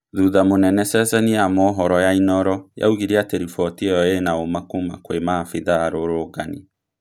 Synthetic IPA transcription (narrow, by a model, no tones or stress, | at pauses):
ðuðamonɛnɛsɛsɛnijamɔːɦɔɾɔjainɔɾɔja̰uɣiɾeateɾifɔtiɔjɔenaomakoma̰kwemafiðaːɾoɾoɡanḭ